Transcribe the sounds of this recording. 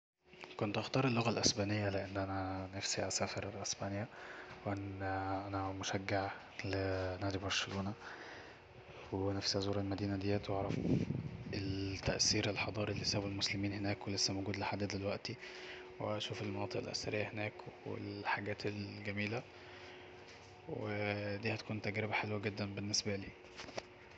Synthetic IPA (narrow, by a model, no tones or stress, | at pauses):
kont̪ʔɑxt̪ɑːɾˤelːoɣælʔæsbæːnejːæleʔenːʔænænæfsiʔæsæːfeɾælʔæsbæːnjæwʔænʔænæmoʃæɡːaʕ | lenæːd̪ibmɑɾˤʃeloːnæ | wenæfsiæzˤuːɾˤelmæd̪iːnæd̪ejːæːt̪wʔɑʕɾˤɑf | elt̪ːæʔsiːɾelħɑd̪ˤɑːɾˤilːisæːbelmoslemiːnhenæːkwelesːæmoɡuːd̪leħad̪ːæd̪elwæʔt̪i | weʔæʃuːfelmɑnɑːt̪ˤeʔḛlʔæ̰sæɾejːæhenæːkwḛlħaɡæːt̪elɡæmiːlæ | wed̪iːhæt̪kuːnt̪æɡɾebæħelwæɡed̪ːænbenːesbæliː